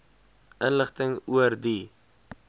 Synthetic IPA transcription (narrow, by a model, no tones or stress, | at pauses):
ʔənləχtəŋuərdi